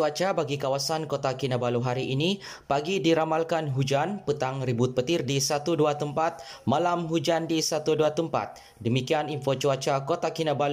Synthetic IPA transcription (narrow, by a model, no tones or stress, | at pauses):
t͡ʃuat͡ʃabaɡikawasankot̪akinabaluɦaɾiʔini | paɡidiɾamalkanɦud͡ʒanpət̪aŋɾibʊt̪̚pət̪ɪrdisat̪uduat̪əmpat̪̚malamɦud͡ʒandisat̪uduat̪əmpa̰t̪̚ | dəmikianinfot͡ʃuat͡ʃakot̪akinabalu